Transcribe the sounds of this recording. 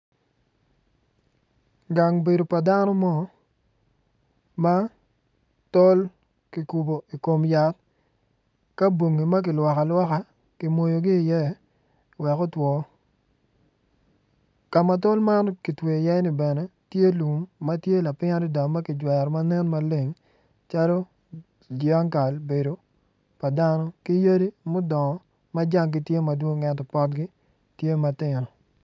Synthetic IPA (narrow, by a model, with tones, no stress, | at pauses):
ɡa˨ŋbe˨do˨pa˨da˦nɔ˦mɔ˦ | ma˦ | tɔ˦l | kɪ˨ku˨bo˨i˨ko˨mja˨t̚ | ka˦bwo˨ŋːi˨ma˦k̬ɪ˨lwa˨ka˨lwɔ˦ka˦ | kɪ˨mo˨jo˨ɡɪː˦˨jɛ˦ | wɛ˨kɔ˦twɔ˨ | ka˨ma˨to˦lma˦nki˨twe˨jɛ˦ni˨bɛ˨nɛ˦tje˦lu˨mːa˦tje˦la˨pɪ˦ɲa˦ɾɪ˦da˨ma˦kɪ˨d͡ʒwɛ˨ɾma˦nɛ˦nma˦le˨ŋ | t͡ʃa˦lo˦ | d͡ʒja˦ŋka˨lbe˨do˨ | pa˨da˦nɔ˦ki˦ja˦di˦mʊ˦dɔ˨ŋɔ˨ | ma˦d͡ʒa˦ŋɡɪ˦tje˦ma˨dwo˦ŋɛ˨tɔ˨pɔ˦tɡɪ˦ | tje˦ma˨tɪ˨ɾɔ˨